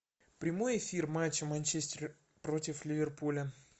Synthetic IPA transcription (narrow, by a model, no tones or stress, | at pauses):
pɾʲɪmo̞jɪfʲirmat͡ɕːɪmɐnʲt͡ɕesʲtʲɪrʲ | pɾo̞tʲɪflʲɪvʲɪrpulʲə